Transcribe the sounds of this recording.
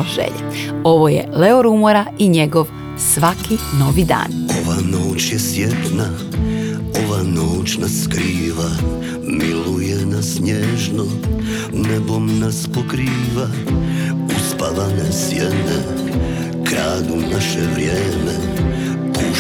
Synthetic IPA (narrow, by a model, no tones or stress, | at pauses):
oʒḛʎḛo̞ʋojḛleoɾumoɾaiɲeɡoʋ | sʋakʰino̞ʋid̪a̰ːno̞ʋanoːt͡ɕjesʋjet̪na | o̞ʋanoːt͡ɕnaskɾiːʋa | milujenasɲeːʒno | nebo̞mnaspokɾiːʋa | uspaʋanesjene | kɾaːd̪unaʃɛʋɾʲjeːme | pu